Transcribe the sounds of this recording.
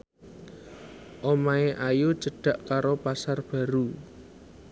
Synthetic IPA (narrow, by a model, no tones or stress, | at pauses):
ʔomaeʔajot͡ʃəɖ̥a̤ʔkaɾopasarb̥ä̤ɾu